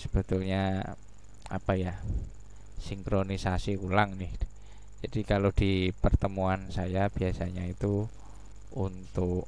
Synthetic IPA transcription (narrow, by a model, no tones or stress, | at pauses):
sə̥b̥ət̪ulɲa | a̰paja | siŋkɾonisasikulaŋnɪh | d͡ʒ̥adikalod̥ipərt̪əmuansajab̥iasaɲait̪u | unt̪ʊʔ